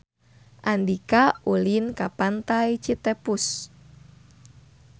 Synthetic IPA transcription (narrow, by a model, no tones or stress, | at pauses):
ʔandikaulinkapant̪ait͡ʃit̪epus